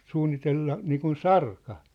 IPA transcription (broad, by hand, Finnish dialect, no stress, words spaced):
suːnːitelːɑ niːkun sɑrkɑ